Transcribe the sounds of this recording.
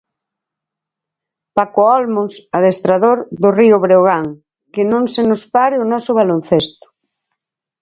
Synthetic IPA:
pakoɔlmosaðest̪ɾaðoɾðʊriʊβɾeoɣaŋ | kɪnõŋsenʊspaɾɪʊnɔsʊβalon̟θest̪ʊ̥

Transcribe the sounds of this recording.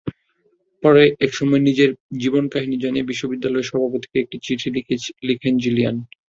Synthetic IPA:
pɔɾeʔɛkʃɔmɔenid͡ʑeɾd͡ʑibonkaɦinid͡ʑaniebiʃːobid̪ːalɔeʃɔbʱapot̪i̥keek̚ʈit͡ɕiʈʰilielikʰend͡ʑulian

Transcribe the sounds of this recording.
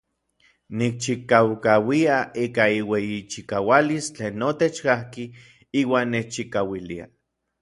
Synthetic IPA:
nik̚t͡ʃikawkawiaiːkaiwejit͡ʃikawalist͡ɬeːnːot̪et͡ʃkahki | iːwaːnːet͡ʃt͡ʃikawilia̰

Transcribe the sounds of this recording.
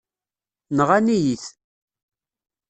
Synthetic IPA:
nəʁanijiθ

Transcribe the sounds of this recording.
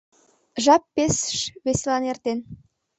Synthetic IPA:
ʒɑpːesə̥ʃβesʲelɑnert̪en

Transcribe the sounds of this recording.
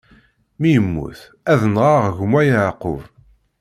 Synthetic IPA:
mijəmːṵθ | æðənʁaʁʝmæjʕqːʊ̰v

